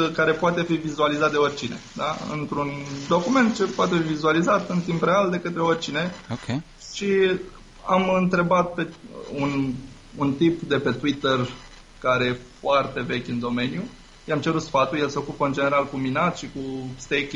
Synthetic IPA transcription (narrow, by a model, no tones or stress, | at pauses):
kaɾe̞poat̪e̞fivizualizat̪̚d̪eo̞rʲt͡ʃine̞d̪aɨ̰nt̪ɾund̪o̞kume̞nt̪̚t͡ʃe̞poat̪e̞fivizualizat̪ɨnt̪impreald̪e̞kət̪ɾe̞o̞rʲt͡ʃine̞oe | ʃi | amɨnt̪ɾe̞bat̪̚pe̞un | unt̪ipd̪e̞pe̞t̪uit̪er | kaɾe̞je̞foart̪e̞ve̞kʲɨnd̪o̞me̞nju | ʃejamt͡ʃe̞ɾut̪sfat̪uje̞lse̞o̞kupəɨnd͡ʒe̞ne̞ɾalkuminat̪ʃikust̪ek